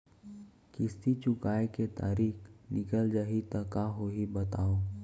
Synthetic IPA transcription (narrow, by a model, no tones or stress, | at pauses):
kɪst̪it͡ʃʊkaːeket̪a̰ːɾiːknɪkəld͡ʒaɦit̪əkaɦoɦibət̪aːoː